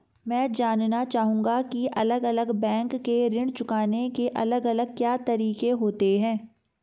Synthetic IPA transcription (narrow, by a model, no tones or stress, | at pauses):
mɛ̃ːd͡ʒaːnnat͡ʃaːɦũːŋɡakiʔɐ̰ləɡɐləɡbɛ̃ːŋkːeɾɪ̃ɳɖt͡ʃʊkaːnekeʔɐ̰ləɡɐləɡ̚kjaːt̪ɐɾiːqeɦoːt̪eɦɛ̃ː